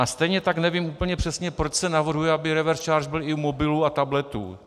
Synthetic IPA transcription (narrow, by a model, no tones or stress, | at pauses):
ast̪ɛjɲɛt̪aknɛviːmuːpl̩ɲɛpr̝̥ɛsɲɛpɾot͡ʃsɛnavr̩ɦujɛabɪɾɛvɛɾst͡ʃaːɾʒbɪlɪumo̞bɪluːat̪ablɛt̪ṵː